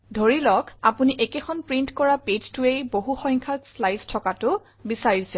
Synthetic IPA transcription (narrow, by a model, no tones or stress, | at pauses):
dʱoɹilɔkapuniʔɛkekʰɔnpɹintkɔɹaped͡ʒtuejboɦuxɔ̃jŋkʰaslajstʰɔkatʊ | bisaɹisɛ